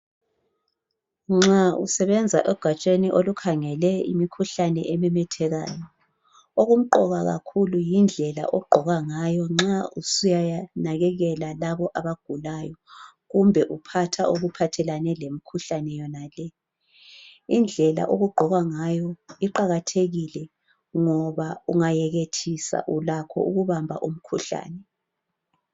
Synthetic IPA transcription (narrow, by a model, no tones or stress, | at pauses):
ŋ͡ǁaṵsɛβɛnd͡zʱa̰ʔɛɡ̥ʱat͡ʃʼeniʔolukʰaŋɛlɛḭmikʰuɬanɛ̰ʔemɛmɛtʰɛɣa̰ːjɔ | oɣum̩ǃɔɣaɣa̰kʰulujind͡ɮʱɛla̰ʔɔɡ͡ǃʱɔɣaŋajɔŋ͡ǁausujanaɣɛɣɛlalaβɔʔaβaɡ̥ʱulajɔ | ɣumbʱɛʔupʰatʰa̰oɣupʰatʰɛlanɛlemikʰuɬanɛjɔnalɛ | ind͡ɮʱɛla̰ʔoɣuɡ͡ǃʱɔɣaŋajɔiǃaɣatʰeɣilɛ | ŋɔβauŋajɛɣetʰisa̰ʔulakʰɔ̰uɣuβambʱa̰ʔum̩kʰuɬa̰ːnɛ